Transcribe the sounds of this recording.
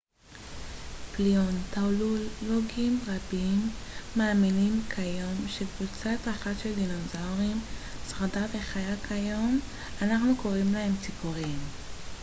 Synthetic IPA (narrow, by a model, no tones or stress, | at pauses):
pliontaluloɡimʁabimːaːminimkʰajo̞mʃekvut͡satʁaχaʃeld̪inozawʁimsʁadave̞χajakʰajo̞m | anaχnuko̞ʁimlahe̞mt͡sipuʁim